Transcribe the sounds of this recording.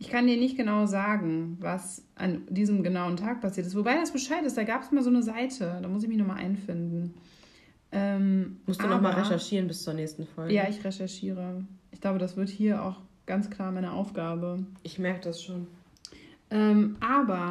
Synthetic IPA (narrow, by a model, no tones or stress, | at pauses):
ʔɪçkʰandiːɐnɪçt̚ɡ̥ənaʊzaːɡŋ̩vas | ʔa̰ndiːzəmɡənaʊəntʰaːk̚pʰasiɐtɪstv̥obaɪdasb̥əʃaɪtɪst̚d̥aːɡaːpəsʔɪmalzoːnəzaɪtʰəd̥aːmʊs̬ɪçmɪçnɔχmaːlʔa̰ɪnfɪndn̩ | ʔɛːmmʊstdḁuːnɔχmbmaːlʁeʃɛɐʃiːʁənbɪst͡suːɐnɛːçstn̩fɔlɡjaːɪçʁeʃɛɐʃiːʁəʔɪçkɡ̥l̥aʊbədasv̥ɪɐthiːɐʔa̰ʊxɡ̥ant͡skl̥aːɐmaɪnəʔa̰ʊfɡ̥aːbəʔɪçmɛɐkədasʃoːn | ʔɛːmʔaːbɐ